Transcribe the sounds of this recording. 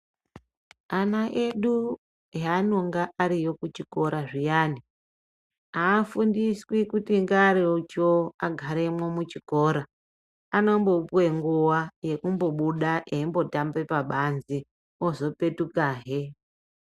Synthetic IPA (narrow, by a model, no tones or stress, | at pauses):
anaʔeɗu | jano̞ŋɡaʔaɾijo̞kut͡ʃiko̞ɾaʐijaːni | aːfundiswikutiŋɡaɾeot͡ʃoaɡʱaɾe̞mwo̞mut͡ʃiko̞ːɾa | ano̞mbo̞pwe̞ŋɡuwaje̞kumbo̞ɓuɗaʔeimbo̞tambe̞paɓanzi | ozo̞pe̞tukaːɦe